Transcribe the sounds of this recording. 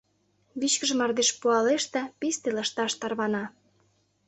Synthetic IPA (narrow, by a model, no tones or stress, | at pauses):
βit͡ɕkə̆ʒə̆mɑrd̪eʃpuɑleʃt̪ə̆pist̪elɑʃt̪ɑʃt̪ɑrβɑnɑ